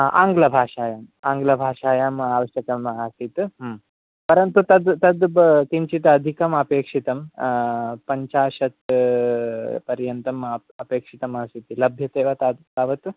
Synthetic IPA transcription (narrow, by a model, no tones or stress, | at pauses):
ʔa̰ːŋɡlɐbʱaːʂaːjam | aːŋɡlɐbʱaːʂaːjamaːʋɐʂjɐkɐmasit̪ɦm | pɐɾɐnt̪ut̪ɐd̪t̪ɐd̪t̪iɲt͡ʃit̪ɐd̪ʱikɐmɐpeːkʂit̪ɐm | pɐɲt͡ʃaːʂɐt̪ | pɐɾjɐnt̪ɐm | ɐpeːkʂit̪ɐmɐsit̪ilɐbʱjɐt̪eːʋɐt̪ad̪aʋɐt̪